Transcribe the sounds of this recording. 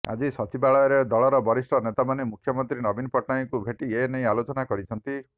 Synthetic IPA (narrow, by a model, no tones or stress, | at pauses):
a̰d͡ʒisɔt͡ʃibaɭɔjɔɾed̪ɔɭɔɾɔbɔɾisʈɔnet̪amanemukʰjɔmɔnt̪ɾinɔbinɔpɔʈnajkubʱeʈienej̃alot͡ʃɔnakɔɾit͡ʃʰɔnt̪i